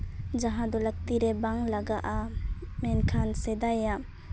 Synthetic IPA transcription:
d͡ʒaɦad̪ɔlak̚t̪iɾebaŋlaɡaʔamɛnkʰansed̪aja

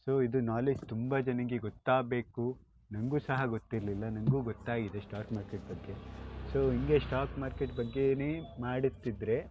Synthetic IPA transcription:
so̞ːid̪unaːled͡ʒt̪umbɐd͡ʒɐnɐɡeɡot̪ːaːbe̞ːku | nɐŋɡuːsɐɦɐɡot̪ːiɾlilːɐnɐŋɡuːɡɔt̪ːaːɡid̪esʈaːkmaːɾkeʈ̚bɐɡːe̞so̞ːɦiŋɡe̞sʈaːkmaːɾkeʈbɐɡːe̞neːmaːɽit̪ːid̪ɾe̞

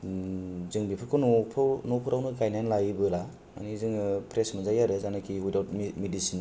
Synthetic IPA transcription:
zɯŋbipʰɯɾkʰɔnpʰnopʰɯɾawnɯɡajnajnlajibɯla | ma̰nizɯŋɯpʰɾesmɯzajaɾezanakʰiɦujdawtmmedisin

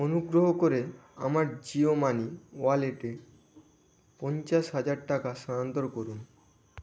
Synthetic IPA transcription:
onuɡɾoɦokoɾea̰maɾd͡ʑiomaniwaleʈe | pɔnt͡ɕaʃɦad͡ʑaɾʈakaʃaant̪oɾkoɾun

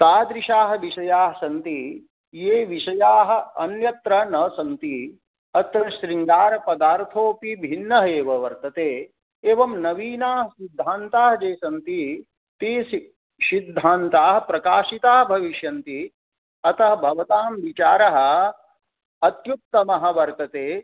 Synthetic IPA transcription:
t̪aːd̪ɾiʃaːɦɐ̆ʋiʃɐjaːɦɐsɐnt̪i | jeːʋiʃɐjaːɦɐ̆ɐnjɐt̪ɾɐnɐsɐnt̪i | ɐt̪ɐʃɾiŋɡaːɾɐpɐd̪aːɾt̪ʰoːpibʱinːɐɦɐeːʋɐʋɐɾt̪ɐt̪eː | eːʋɐmnɐʋiːnaːɦɐsid̪ʱːaːnt̪aːɦɐd͡ʒeːsɐnt̪i | t̪iːsi | sid̪ʱːaːnt̪aːɦɐpɾɐkaːʃit̪aːɦɐbʱɐʋiʃjɐnt̪i | ɐt̪ɐɦɐbʱɐʋɐt̪aːmʋit͡ʃaːɾɐɦɐ̆ | ɐt̪jup̚t̪ɐmɐɦɐ̆ʋɐɾt̪ɐt̪eː

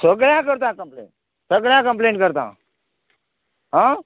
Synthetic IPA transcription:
səɡɽjãkəɾt̪ãkəmplḛːɳʈ̚ | səɡɽjãkəmp̬lẽːɳʈkəɾt̪ã̰ː | ɦã

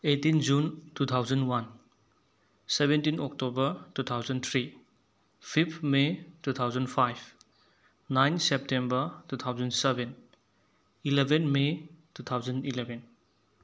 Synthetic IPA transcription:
etind͡ʒuntut̪ʰawzɐnwan | sebentinɔk̚tobɐɾtut̪ʰawzɐnt̪ʰɾi | pʰipʰmetut̪ʰawzənpʰajbʰ | najnsep̚tembɐɾtut̪ʰawzɐnseben | ilebʱenmetut̪ʰawzɐnilebʱen

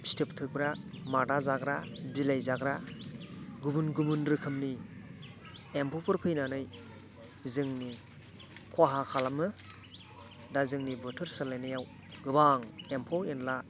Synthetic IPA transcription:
step̚tʰɯk̚bɾamadazaɡɾabilajzaɡɾa | ɡubunɡubunɾɯkʰɯmni | empʰɔpʰɯɾpʰɯjnanɯj | zɯŋni | kʰwaɦakʰalamɯ | dazɯŋnibɯtʰɯɾsalenijaw | ɡɯbaŋempʰɔenla

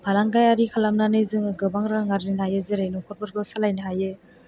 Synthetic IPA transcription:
bʰʱalaŋɡajaɾikʰalamnanɯjzɯŋɡɯbaŋɾaŋaɾzinajɯzɯɾajnɔkʰɔɾ̚bɯɾɡɔsalajnɯɦajɯ

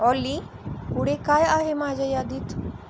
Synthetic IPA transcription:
ɔːli | uɽekaːjaːɦemaːd͡ʒəjaːd̪iːt̪ʰ

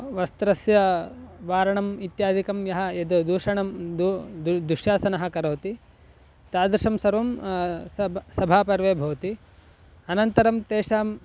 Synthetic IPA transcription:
ʋɐst̪ɾɐsjɐ | ʋaːɾɐɳɐmit̪jaːd̪ʱikɐmjɐɦɐed̪ud̪uːʂɐɳɐmd̪ud̪d̪uʃjaːsɐnɐɦɐ̆kɐɾoːt̪i | t̪aːd̪ɾiʂɐmsɐɾʋɐm | sɐbʱaːpɐɾʋeːbʱɐʋɐt̪i | ɐnɐnt̪ɐɾɐmt̪eːʃaːm

